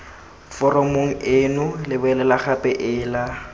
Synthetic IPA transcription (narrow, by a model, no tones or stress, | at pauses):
fɔrɔmoŋ̩enʊlɪbʊɛlɛlaχapʼɛʔɪːla